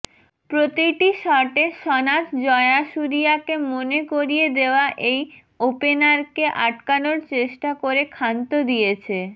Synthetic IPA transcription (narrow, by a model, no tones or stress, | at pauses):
pɾot̪iʈiʃɔʈeʃɔnatd͡ʑɔeaʃuɾiakemonekoɾijed̪eoaʔej | openaɾkeʔaʈkanoɾt͡ɕeʃʈakoɾekʰant̪od̪ijet͡ɕʰe